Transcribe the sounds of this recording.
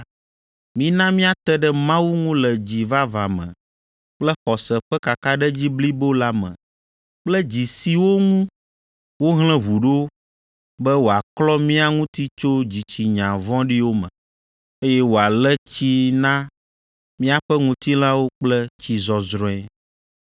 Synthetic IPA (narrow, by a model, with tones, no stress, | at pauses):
mĩ˦nã˦mĩ˦a˦t̪ɛ˦ɖɛ˦mã˦wu˦ŋũ˦lɛ˨d͡ʑi˨va˦va˨mɛ̰̃˨ | k͡plɛ˦xɔ˨sɛ˨ɸɛ˦ka˨ka˦ɖɛ˦d͡ʑi˦bli˦bo˦la˦mɛ̰̃˨ | k͡plɛ˦d͡ʑi˨si˨wo˦ŋũ˦ | wo˦ɦlɛ̃˦ɦu˨ɖo˦ | bɛ˦wo˨a˨klɔ˦mĩ˦a˦˨ŋũ˦t̪i˦t͡ʃo˦d͡ʑi˨t͡ɕi˨ɲã˨vɔ̃˦ɖi˦wo˦mɛ̰̃˨ | e˦jɛ˦wo˨a˨lɛ˦t͡ɕi˦nã˦ | mĩ˦a˨ɸɛ˦ŋũ˦t̪i˦l̃ã˦wo˦k͡plɛ˦t͡ɕi˨zɔ˨zɾɔ̃˦ɛ˦